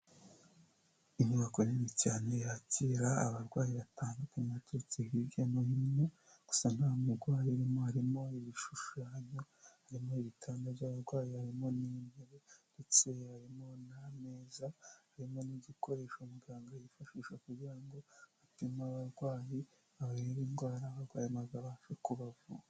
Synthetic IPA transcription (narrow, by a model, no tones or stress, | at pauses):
iɲɲuβakoniβicaːne̞jaːciɾa̰ːβaɾɡwaːjiβataːndukematet͡sihiɟanohimne̞ | ɡ̥u̥san̥haːmuɾɡwaːjiaɾimo̞haɾimo̞iβiʃuʃaːɲo̞haɾimo̞iβitʰaːndaβɟaːβaɾɡwaːjihaɾimo̞niːmeɾende̞t͡se̞haɾimo̞name̞ːzahaɾimo̞niɟiko̞ɾe̞ːʃomuɡiaŋɡajifaʃiːʃakuɾɟiɾaŋɡo̞atimaβaɾɡwaːji | aβaiβiːnɡwaːɾaːβaɾɡwaːjimazaβaʃekuβavua